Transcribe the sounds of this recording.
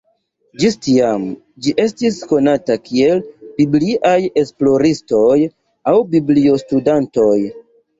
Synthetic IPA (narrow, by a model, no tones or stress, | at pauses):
d͡ʒistiam | d͡ʒiʔe̞stisko̞natakʰie̞lbibliʔaje̞splo̞ɾisto̞j | awbiblio̞studanto̞j